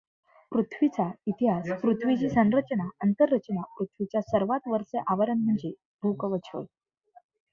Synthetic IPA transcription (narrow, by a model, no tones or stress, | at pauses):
pɾut̪ʰʋit͡sait̪iɦaspɾut̪ʰʋit͡ɕiːsə̃nɾət͡ɕənaənt̪əɾːət͡ɕənapɾut̪ʰʋit͡ɕjasəɾʋat̪ʋəɾseʔaʋəɾənm̤əɳd͡ze | b̪ʱukəʋət͡ɕʰə̰j